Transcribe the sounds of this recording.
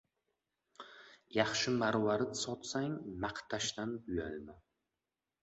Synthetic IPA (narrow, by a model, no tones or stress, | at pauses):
jɑχʃɪmaɾwaɾɪt̪sɒt̪saŋmaqt̪ʰaʃt̪anbʊjalma